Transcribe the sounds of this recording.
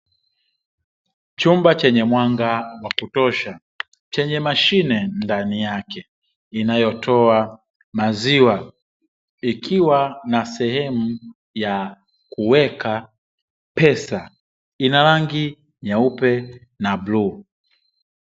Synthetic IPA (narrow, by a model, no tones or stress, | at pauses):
t͡ʃumbat͡ʃɛɲɛmwaŋɡawakutɔʃa | t͡ʃɛɲɛmaʃinɛndanijakɛ | inajɔtʰɔa | maziwa | ikʰiwanasɛhɛmu | ja | kuwɛkʰa | pɛsa | inalaŋɡi | ɲaupɛ | nabluː